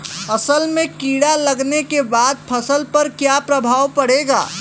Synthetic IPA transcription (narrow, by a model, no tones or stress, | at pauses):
ɐsəlmẽkiːɽalɐɡnekebaːd̪̚pʰɐsəlpɐɾkjapɾɐbʱaːwpɐɽeːɡa̰ː